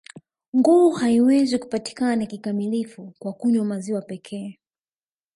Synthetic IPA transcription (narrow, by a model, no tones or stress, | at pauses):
ŋɡuːhaiwɛziku̥pati̥kananakikamilifukwakuɲwɔmaziwapɛkʰɛː